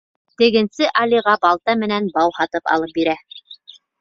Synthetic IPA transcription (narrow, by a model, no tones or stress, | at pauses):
t̪ɘ̆ɡɘ̆nsɘʔɑliʁɑbɑlˠt̪ɑmɘ̆nænbɑwhɑt̪ɤpɑ̰lˠɤp̚biɾæ